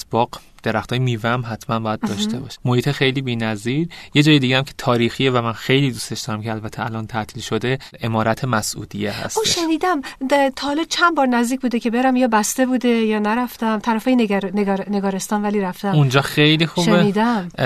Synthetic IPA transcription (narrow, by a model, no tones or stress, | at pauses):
sb̥ɒːq | d̪̥eɾæxt̪ʰɒːjemiːvæmɦæt̪ʰmænbɒːjæd̪d̪ɒːʃe̞bɒ̰ʃmohiːt̪ʰexejliːbiːnæziːɾjed͡ʒɒːjed̪iːɟeæmcʰet̪ʰɒːɾiːxievæmænxejliːd̪ust̪e̞ʃd̪ɒːɾæmcʰeælbæt̪ʰeælʔɒnt̪ʰæʔt̪ʰiːlʃo̞d̪e̞ | ʔe̞mɒːɾæt̪ʰemæsʔṵːd̪ijehæ̰soʃeniːd̪æmt̪ʰːhɒlɒːt͡ʃʰænbɒːɾnæzd̪iːc̚ʰʲbuːd̪ecʰʲe̞beɾæmjɒːbæst̪e̞buːd̪ejɒːnæɾæft̪æmt̪ʰæɾæfɒːjenneɡneɡɒːɾest̪ɒːnvæliːɾæft̪æmund͡ʒɒːxejlixuʃbeniːd̪æm